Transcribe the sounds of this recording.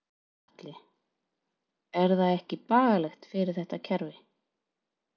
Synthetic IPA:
at̪lɪ | ɛɾθaðɛhcɪpaːɣalɛxt̪fɪɾɪɾ̥θɛht̪ːacʰɛɾvɪ

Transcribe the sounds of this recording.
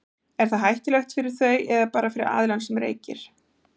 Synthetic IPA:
ɛɾ̥θaðɦajht̪ɪlɛxt̪fɪɾɪɾ̥θœɥɛðapaːɾafɪɾɪ̰ɾa̰ːðlansʏmɾḛːjcɪ̰ɾ̥

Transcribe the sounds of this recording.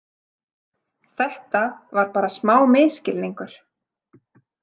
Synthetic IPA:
θɛht̪avaɾpaːɾasmaːwmɪːscɪlniŋkʏɾ̥

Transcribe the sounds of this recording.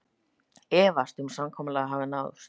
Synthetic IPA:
ɛːvast̪ʏmsamkʰɔːmɪlɛɣaɦaːvɪnaːwðʏ̰st̪

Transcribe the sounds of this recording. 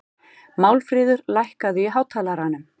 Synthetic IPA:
mawlfɾɪːðʏɾlajhkaðɪiɦaːwt̪ʰaːlaɾanʏm

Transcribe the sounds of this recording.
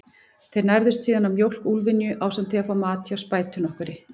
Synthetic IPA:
θejɾnajɾðʏst̪siːðanamjowl̥kulvɪnjʏʔaːwsɛmt̪θiafawmaːt̪awspaːjt̪ʏnɔhkʏɾɪ

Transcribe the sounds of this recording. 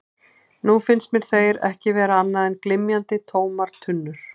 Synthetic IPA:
nufɪnst̪mjɛɾ̥θejɾɛ̰hcɪvɛːɾaanːaðɛnklɪmjant̪ɪt̪ʰoːwmaɾ̥t̪ʰʏnːʏɾ̥

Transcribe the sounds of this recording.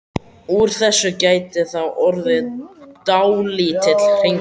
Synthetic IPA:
uɾ̥θɛsːʏcaːjt̪ɪθawʔɔɾðɪt̪awliːt̪ʰɪt̪l̥r̥ejŋ

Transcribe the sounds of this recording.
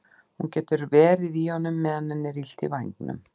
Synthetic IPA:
huncɛːt̪ʏɾvɛːɾɪðihɔnːʏmːɛðanːɛnːɪɾil̥t̪ɪ̰vajŋknʏ̰m

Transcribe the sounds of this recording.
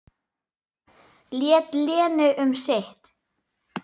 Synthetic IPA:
ljɛːt̪lɛːnʏʔʏmseht̪

